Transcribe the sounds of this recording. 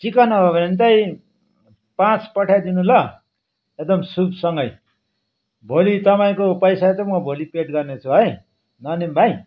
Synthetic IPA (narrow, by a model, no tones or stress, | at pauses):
t͡sikʌnʌʌbʱent̪ʌj | pãt͡spʌʈʰjad̪inulʌ | ek̚d̪ʌmsubsʌŋɡʌj | bʱolit̪ʌpaĩkopʌjsat͡sʌmʌbʱolipeʈɡʌrnet͡sʰuɦʌj | nʌnembʱaj